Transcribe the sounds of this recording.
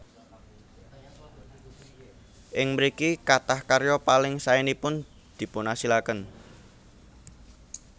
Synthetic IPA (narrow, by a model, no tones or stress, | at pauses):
ʔɪŋməɾikikat̪ahkarjɔpalɪŋsaɛnipʊn | d̪̥i̤pʊnasilakən